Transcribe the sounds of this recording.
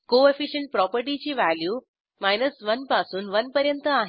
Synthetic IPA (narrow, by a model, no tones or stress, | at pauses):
koefiɕəɳʈ̚pɾɔpəɾʈit͡ɕiːʋæljuː | majnəsʋənpasuːnʋənpəɾjənt̪əaɦ